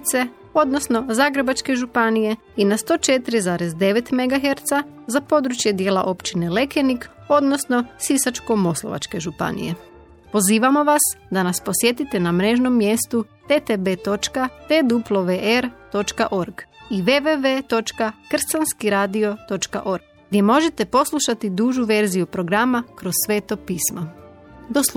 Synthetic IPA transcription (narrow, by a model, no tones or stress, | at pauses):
t̪se̞ | o̞d̪no̞sno̞zaːɡɾe̞bat͡ʃke̞ʒupanije̞ | inast̪o̞ːt͡ʃe̞t̪iɾizaːɾe̞zd̪e̞ʋe̞t̪me̞ɡaxeɾt̪sa | zapo̞d̪ɾut͡ʃje̞d̪je̞ːla̰ʔo̞pt͡ʃine̞le̞ke̞nik | o̞d̪no̞sno̞sisat͡ʃko̞mo̞slˠoʋa̰t͡ʃke̞ʒupa̰nḭje̞̰ | po̞ziːʋamo̞ʋasd̪anaspo̞sje̞t̪it̪e̞namɾe̞ːʒno̞mːje̞st̪u | t̪et̪ebe̞t̪o̞t͡ʃkat̪ed̪uplˠoʋeʔeɾt̪o̞t͡ʃkaʔo̞ɾɡiʋeʋeʋet̪o̞t͡ʃkakr̩sanskiɾaːd̪io̞t̪o̞t͡ʃka̰ʔo̞ɾɡ | ɡd̪je̞mo̞ʒe̞t̪e̞po̞slˠuʃat̪id̪uːʒuʋe̞ɾzijupɾo̞ɡɾamakɾo̞ssʋe̞ːt̪o̞piːsma | d̪os